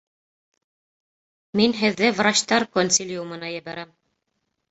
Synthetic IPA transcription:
minɦɘ̆ðːɘvrat͡ɕt̪ɑɾkonʲsʲilʲjumɤ̆nɑjɘ̆bæɾæm

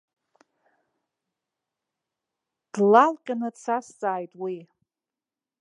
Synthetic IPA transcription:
d̥lalqʲʼanɨt͡sʰast͡sʼaːjtʼwi

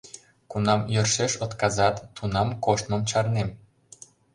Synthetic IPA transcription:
kunɑmjørʃeʃŏt̪kɑzɑt̪ːunɑmkoʃt̪mə̆mt͡ɕɑrnem

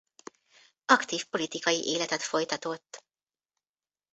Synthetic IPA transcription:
ɒkt̪iːfpo̞lit̪ikɒjḭʔeːlɛt̪ɛt̪fo̞jt̪ɒt̪o̞t̪ː

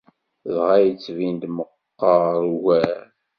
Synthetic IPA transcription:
ðʁæjət͡sːvind̪məqːɑɾˤwæɾ

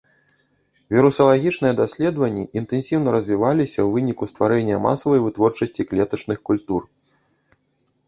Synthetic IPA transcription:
vʲiɾusɐlˠaɣʲit͡ʂnɨjɛd̪asʲlʲɛd̪vɐnʲːiʔint̪ɛnsʲiwnɐɾɐzʲvʲivalʲisʲɐwvɨnʲikust̪vaɾɛnʲːɐma̰sɐvɐjvɨt̪vɔrt͡ʂɐsʲt͡sʲiklʲɛt̪ɐt͡ʂnɨxkulʲt̪ur

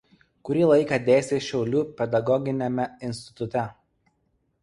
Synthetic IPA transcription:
kʊɾʲiːlˠɐɪkɐd̪ʲeːsʲeːʃʲɛʊlʲuːpʲɛd̪ɐɡɔɡʲɪnʲɛmʲɛɪnʲsʲt̪ʲɪ̥t̪ʊt̪ʲɛ

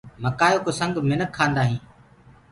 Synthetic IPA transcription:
məkaːjoːkoːsəŋɡmɪnəkʰːãːnd̪aːɦĩː

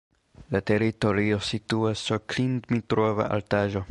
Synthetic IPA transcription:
lateɾito̞ɾiosituasːuɾklindmitɾova̰ʔa̰ltaʒo

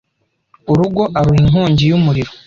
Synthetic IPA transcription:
uɾuɡo̞ʔaɾuhiŋɦoːɲɟijumuɾiɾo

